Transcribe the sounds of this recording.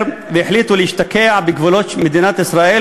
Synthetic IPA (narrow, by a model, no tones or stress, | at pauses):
ɾ | bɪħlɪt̪ʊlɪʃt̪akaːʕbɪɡvolot͡ʃmad̪iːnaːt̪ʔɪsɾˤaːʔiː